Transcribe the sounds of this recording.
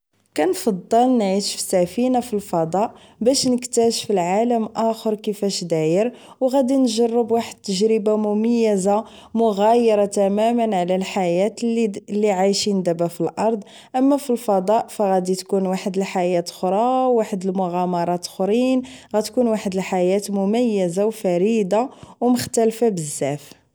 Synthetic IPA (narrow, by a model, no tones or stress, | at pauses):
kænfɑd̪ˤːɑlnʕiʃfi̥sæfinafilfɑd̪ˤɑʔ | bæʃnəkt̪æʃfilʕaləmʔæxəɾkəfæʃd̪æjəɾ | wɣæd̪inʒɑrˤːəbwaħəd̪̚t̪ːəʒɾəbamʊməjːəza | mʊɣæjəɾˤɑt̪æmæmənʕlælħajæt̪lːiʕajʃind̪æbæfilʔɑɾˤd̪ˤ | ʔəmːæfilfɑd̪ˤɑʔfæɣæd̪it̪kunwaħəd̪əlħajæt̪xɾˤɑwːaħəd̪əlmʊɣɑmɑɾˤɑt̪xɾinɣæt̪kunwaħəd̪əlħajæt̪mʊmæjːəzawfæɾid̪awməxt̪ælfabəzːæf